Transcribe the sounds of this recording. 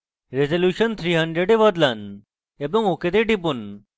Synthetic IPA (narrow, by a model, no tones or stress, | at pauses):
ɾezɐljuːɕɐnt̪ʰɾiːɦɐɳɖɾeɖeʋɐd̪lɐn | ebəŋoked̪eɖibun